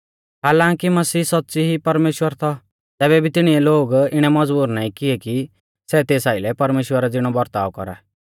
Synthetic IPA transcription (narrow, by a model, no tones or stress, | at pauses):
ɦaːlãːŋkimɐsiːsɐt̪ːt͡siɦipɐɾmeːʃwəɾt̪ʰɔ | t̪ɛːbɛbʱit̪ɪɽ̃iɛloːɡɪɽ̃ɛmɐd͡zbuːɾnaːĩkɪɛki | sɛt̪eːsaːɪlɛpɐɾmeːʃwəɾad͡zɪɽ̃ɔbɐɾt̪a̰ːʋkɔ̰ɾa̰ː